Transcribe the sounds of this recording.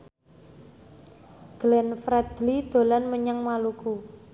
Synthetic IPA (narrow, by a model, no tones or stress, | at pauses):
ɡ̥lɛnfɾɛd̪̥lid̪̥o̤lanməɲaŋmaluku